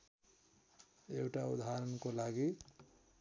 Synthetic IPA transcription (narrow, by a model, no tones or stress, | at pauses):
ewʈaud̪ʱaɾənkolaɡi